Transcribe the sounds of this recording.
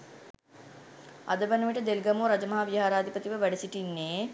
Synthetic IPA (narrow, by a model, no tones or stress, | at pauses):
a̰d̪əbɐnəʋiʈəd̪elɡɐmoːɾad͡ʒɐmɐɦaʋijɦaːɾaːd̪ʱipət̪iʋəʋæɖɐsiʈinːeː